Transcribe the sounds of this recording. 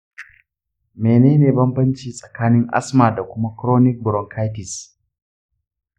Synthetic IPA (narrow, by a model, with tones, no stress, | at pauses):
meː˨neː˦neː˨bɐ˦mbɐ˦nt͡ʃiː˦sʼɐ̥˨kaː˦nɪ˦ŋʔa̰˦smaː˨da˨kʷʊ˦ma˦kɾoː˦nɪ˦k̚bɾɔ˨ŋkʰa˦jtɪ˨s